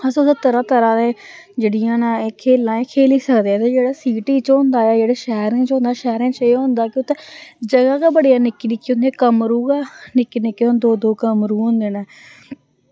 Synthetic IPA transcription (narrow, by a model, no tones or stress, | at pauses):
əst̪eːt̪əɾãːt̪əɾãːnẽː | d͡ʒeːɽijãːnãːeːkʰeːlãːeːkʰeːliːsəkd̪eɛːt̪eːd͡ʒeːɽaːsiːʈiːt͡ʃõːnd̪aːɛːd͡ʒeːɽaːʃɛɦɾ̃ːt͡ʃɦõːnd̪aːʃɛːɾẽːt͡ʃeːõːnd̪aːkɪʊt̪ʰeːd͡ʒəɡaːkaːbəɽijaːnɪkːiːnɪkːiõːnd̪eẽkəmɾuːɡaːnɪkːiːnɪkːiːõːnd̪oːd̪oːkəmɾuːɦõnd̪eːnãː